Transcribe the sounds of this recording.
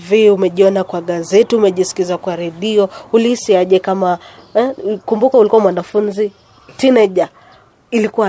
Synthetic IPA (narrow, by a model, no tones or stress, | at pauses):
viumɛʄiɔnakwaɠazɛtiumɛʄisi̥kizakwaɾɛɗiɔulihisiaʄɛkama | kumbukaulikuwamwanafunzi | tinɛʄa | ilikuwa